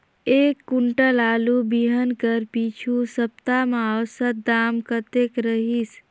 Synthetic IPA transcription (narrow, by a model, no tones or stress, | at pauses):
ekːuɳʈəlaːlubiɦənkəɾpit͡ʃʰusəp̚t̪amasəd̪amkət̪ekɾəɦis